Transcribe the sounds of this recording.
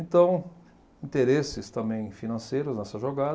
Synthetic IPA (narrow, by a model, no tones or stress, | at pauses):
ẽnt̪ɐ̃w̃ | ĩnt̪eɾesɪst̪ɐ̃mbẽj̃finɐ̃sejɾʊznɛsɐʒoɡad̪